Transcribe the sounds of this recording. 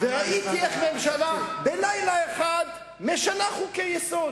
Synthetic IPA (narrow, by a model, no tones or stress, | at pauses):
veʁaʔit̪ieχmemʃalabelajlaeχad̪ | meʃanaχukejesod̪